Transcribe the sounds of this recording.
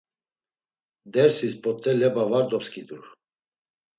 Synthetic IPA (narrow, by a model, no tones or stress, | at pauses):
d̪ɛɾsispʼɔt̪ʰʼːɛlɛbavaɾd̪ɔpskʼid̪uɾ